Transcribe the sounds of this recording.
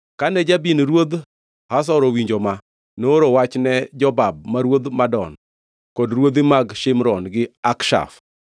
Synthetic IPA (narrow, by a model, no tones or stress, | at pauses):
kanɛd͡ʒabinɾwod̪ | has̬ɔɾɔwiɲd͡ʒoma | noɾowat͡ʃnɛd͡ʒɔbab̚maɾwod̪madɔ̰n | kɔdɾwod̪ɪmaɡʃɪmɾɔnɡɪakʃa̰f